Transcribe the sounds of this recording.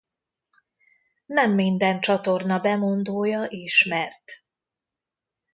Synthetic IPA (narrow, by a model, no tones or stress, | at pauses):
nɛmːind̪ɛnt͡ʃɒt̪o̞rnɒbɛmond̪oːjɒʔiʃmɛrt̪